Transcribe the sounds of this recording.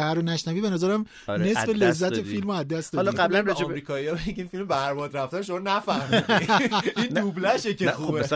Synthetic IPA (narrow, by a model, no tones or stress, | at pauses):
hæɾonæʃnæviːbe̞næzæɾæm | nesfelezːæt̪ʰefilmoæzd̪æsd̪ɒɒlɒɡæblænɾæd͡ʒibɾikʰɒːiɒːbejikʰʲinfilmbæɾbɒːd̪ɾæfd̪æɾʃomɔnæfæhmi | ind̪ublæʃecexuːbe